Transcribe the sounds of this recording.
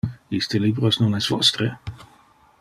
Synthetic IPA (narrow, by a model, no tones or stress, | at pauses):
ist̪elibɾosnunɛsvɔst̪ɾe